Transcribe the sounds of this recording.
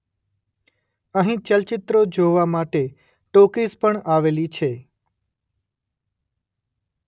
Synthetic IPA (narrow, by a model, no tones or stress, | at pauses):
əɦĩt͡ʃəlt͡ʃɪt̪ɾod͡ʒoʋamaʈe | ʈokispəɳaʋelit͡ʃʰe